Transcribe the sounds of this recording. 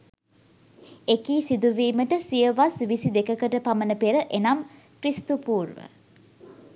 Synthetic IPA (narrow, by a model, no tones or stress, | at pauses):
ekiːsid̪uʋiːməʈəsijəʋasʋisid̪ekəkəʈəpamənəpeɾəʔenam | kɾist̪upuːrʋə̰